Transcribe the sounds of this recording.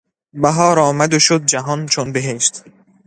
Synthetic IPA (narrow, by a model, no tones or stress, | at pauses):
bæɦɒːɾɒːmæd̪oʃod̪̚d͡ʒæɦɒnt͡ʃʰonbeɦeʃt̪